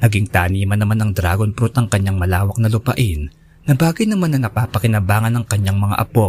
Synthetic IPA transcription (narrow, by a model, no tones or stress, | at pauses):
nɐɡiŋt̪aːniːmɐnːɐmanɐŋd̪ɾaːɡonpɾut̪ɐŋkɐɲːaŋmɐlaːwɐk̚nɐlʊpɐ̰ʔɪn | nɐbaːkɪt̪nɐmanːɐnɐpaːpɐkɪnɐbaːŋɐnɐŋkɐɲjaŋmɐŋa̰ʔɐpo̞